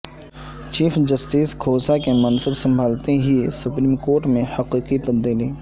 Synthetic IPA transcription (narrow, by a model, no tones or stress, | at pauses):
t͡ʃiːfʰd͡ʒəsʈiːskʰoːsakemɐnsəbsɐ̃mbʱaːlt̪eɦiesʊpɾiːmkoːɾʈmẽhɐqiːqit̪ɐbd̪iːli